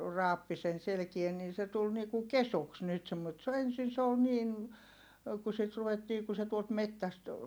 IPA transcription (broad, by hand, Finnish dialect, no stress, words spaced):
rɑːpːi sen selĕkie niː se tul ni ku kesuks nyt semːo et se o ensin se ol niːn ku sit ruʋetːiː ku se tuolt metːæst